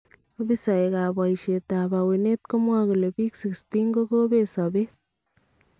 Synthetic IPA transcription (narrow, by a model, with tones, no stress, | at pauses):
o˦bi˦sa˨e˨ɡa˨ba˨jʃe˨t̪a˨ba˨we˨ne˦t̪ko˦mwa˦ɡu˨le˨bi˦ksi˨kst̪i˦ŋɡo˦ɡo˦be˦sa˨be˦